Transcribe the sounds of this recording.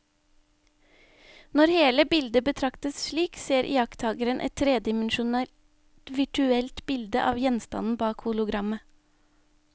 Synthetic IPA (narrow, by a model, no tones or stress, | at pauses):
nɔɾheːləbɪld̪əbət̪ʰɾɑkt̪əsʃɭiːkseːɾʔɪ̰jɑkt̪ʰɑːɡəɾənʔɛ̰t̪ʰɾeːd̪ɪmnʃʊnɛ | ʋɪʈʉɛlt̪bɪld̪əʔɑːʋjɛnst̪ɑ̰nn̩bɑːkhʊlʊɡɾɑmə